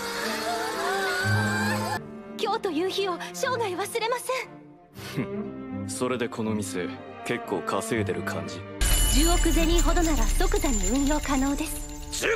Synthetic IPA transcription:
kʲo̞ːt̪o̞jɯːçio̞ɕo̞ːɡaiβasɨɾe̞masẽ̞ɴ | so̞ɾe̞d̪e̞kʰo̞no̞mʲisɨ | ke̞kːo̞ːkʰaseːt̪e̞ɾɯ̟kʰã̰ɲ̟d͡ʑid͡ʑɨːo̞kɯ̟ze̞ɲʲĩɦo̞d̪o̞naɾaɯ̥t̪o̞kɯ̟zaɲːoɯ̟̃ɰ̃jo̞ːkano̞ːd̪e̞sɨ̥

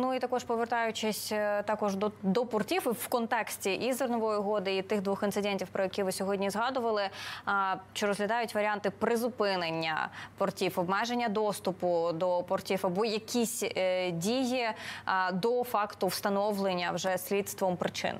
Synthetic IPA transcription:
nuit̪ɐkɔʃpɔʋert̪ɑjʊt͡ʃɪsʲt̪ɑkɔʒd̪ɔd̪ɔpɔrtʲifwkɔnt̪ɛksʲtʲiʔizernɔʋɔjiɦɔd̪ɪit̪ɪxd̪ʋuxɪnt̪ɨd̪ɛnʲtʲiwpɾʔɔjɛkʲiʋɪsʲɔɦɔdʲnʲizɦɑd̪ʊʋɐlˠɪ | t͡ʃɔɾɔzɦlʲɐd̪ɑjʊtʲʋɐɾʲiɑnt̪ɪpɾɪzʊpɪnenʲːɐ̰pɔrtʲifɔbmɛʒenʲːɐd̪ɔst̪ʊpʊd̪ɔpɔrtʲifɐbɔjɐkʲʰisʲdʲiji | d̪ɔfɑkt̪ʊwst̪ɐnɔʋlˠenʲːɐwʒɛsʲlʲit̪st̪ʋɔmpɾɪt͡ʃɪ̰n

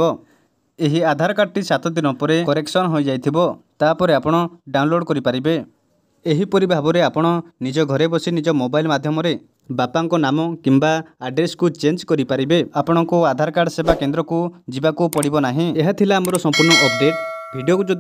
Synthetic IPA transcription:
ɔ | eɦiad̪ʱaɾɔkaɖt̪isat̪ʰɔd̪inɔpɔɾekɔɾeksɔnɔɦojd͡ʒajt̪ʰibɔt̪apɔɾeapɔɽ̃ɔɖaw̃nloɽkɔɾipaɾibe | eɦipɔɾibʱabɔɾeapɔɽ̃ɔnid͡ʒɔɡʱɔɾebɔsinid͡ʒɔmobajlmad̪ʱjɔmɔɾe | bapaŋkɔnamɔkimbaːɖɾeskut͡ʃend͡ʒkɔɾipaɾibeapɔɽ̃ɔŋkuad̪ʱaɾɔkaɖsebakend̪ɾɔkud͡ʒibakupɔɽibɔnaɦĩeɦat̪ʰilaːmɔɾɔsɔmpuɾɳɔʔɔp̚ɖeʈbʱiɖijokud͡ʒud̪

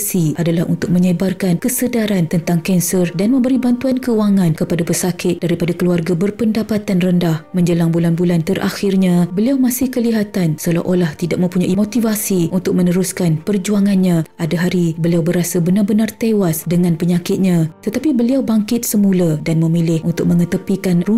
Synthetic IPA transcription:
siʔadalahṵnt̪ʊk̚mə̃ɲəbarkankəsədaɾant̪ənt̪aŋkɛnsərdanmə̃mbəɾibant̪uankəuaŋãnkəpadapərsakɪt̪̚d̥aɾipadakəluarɡabərpəndapat̪anrəndahmə̃ɲd͡ʒəlaŋbulanbulant̪ərʔa̰xɪrɲãbəliawmãsɪhkəliɦat̪ansəla̰ʔolaht̪idak̚mə̃mpuɲaʔimot̪ivasiʔunt̪ʊk̚mə̃nəɾuskanpərd͡ʒuaŋanɲãʔadaɦaɾibəliawbəɾasabənarbənart̪ewasdəŋãnpəɲãkɪt̪̚ɲãt̪ət̪apibəliawbaŋkɪt̪̚səmũladanmə̃milɪhunt̪ʊk̚mə̃ŋət̪əpikanru

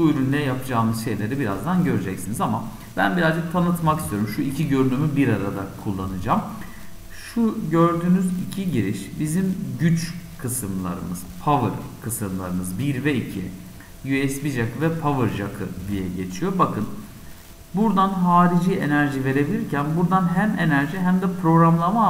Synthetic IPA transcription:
buyɾynlʲɛjapʰɯd͡ʒaːmɯzʃe̞jlʲe̞ɾibiɾazd̪anɟø̞ɾyd͡ʒɛcsinizama | bæ̰nbiɾazd͡ʒɯk̚t̪ʰanɯt̪makist̪ijoɾumʃuilʲcʰiɟø̞ɾynymybiɾaɾad̪akʰulˠːanɯd͡ʒaːm | ʃuɟø̞ɾd̪yːnyzicʰiɟiɾiʃbizimɟyt͡ʃkʰɯsɯmlˠa̰ɾɯ̰mɯz̥pʰavɯɾkʰɯsɯmlˠa̰ɾɯmɯzbiɾvɛicʰḭ | jyɛsbiʒakʰɯvɛpʰavɯɾʒa̰kʰɯ̰d̪ijɛɟe̞t͡ʃʰijo̞bakɯn | buɾd̪anɦaːɾid͡ʒiːe̞næɾʒive̞ɾe̞bilʲiɾcʰænbuɾd̪anɦæme̞næɾʒiɦæmd̪ɛpʰɾo̞ɡɾamlˠama

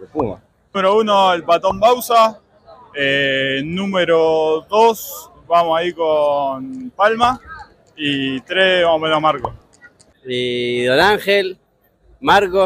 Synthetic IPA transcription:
pu | meɾouno̞elbat̪ombawsa | enũmeɾoðos | βamosaikonpalma | it̪ɾeβamomenomaɾkos | iðonaŋxel | maɾko

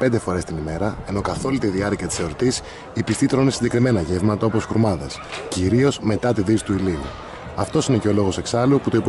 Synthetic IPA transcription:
pe̞nd̪efo̞ɾe̞st̪inime̞ɾɐe̞no̞kɐθo̞lit̪iðiɐɾciɐt̪i̥seoɾt̪is | ipist̪it̪ɾo̞nisiɟekɾime̞nɐʝevmɐt̪ɐo̞po̞sxɾumɐðɐsciɾio̞sme̞t̪ɐt̪iðisi̥t̪uilinu | ɐft̪o̞sine̞ce̞olo̞ɣo̞se̞ksɐluput̪oipo

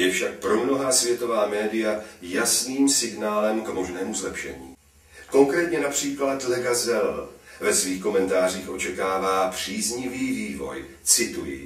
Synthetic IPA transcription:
jɛfʃak̚pɾo̞mno̞ɦasvjɛt̪o̞vaːmɛːdɪjajasniːmsɪɡnaːlɛmkmo̞ʒnɛːmuzlɛpʃɛ̰ɲḭː | ko̞ŋkɾɛːt̪ɲɛnapr̥iːklat̪lɛɡazɛlvɛsviːxko̞mɛnt̪aːr̝iːxʔo̞t͡ʃɛkaːvaːpr̝̥iːzɲɪviːviːvo̞̰j | t͡sɪt̪ujɪ̰

